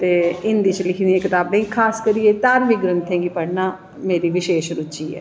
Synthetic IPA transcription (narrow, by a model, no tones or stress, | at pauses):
t̪eːɪnd̪iːt͡ʃlɪkʰniːeːkɪt̪aːbẽːŋkʰaːskəɾijeːt̪aːɾʋiːɡɾə̃nt̪ʰɛ̃ːŋɡiːpəɽnaː | meːɾiːʋɪʃeːʃɾʊt͡ʃiːɛ̰ː